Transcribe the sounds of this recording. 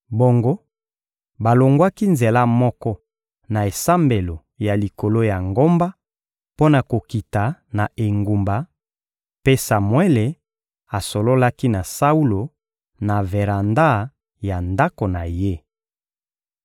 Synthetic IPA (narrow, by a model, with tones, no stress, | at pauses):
bo˨ŋɡo˦ | ba˨lo˨ŋɡwa˦ki˦nze˨la˦mɔ˦kɔ˦ | na˨e˨sa˦mbe˨lo˨ | ja˨li˨ko˨lo˦ja˨ŋɡo˦mba˦ | po˦na˨ko˨ki˨ta˨na˨ʔe˨ŋɡu˨mba˨ | pe˦sa˨mwe˦le˨ | a˨so˨lo˦la˦ki˦na˨sa˦u˦lo˨ | na˨ve˨ʁa˨nda˦˨ | ja˨nda˦ko˨na˨je˦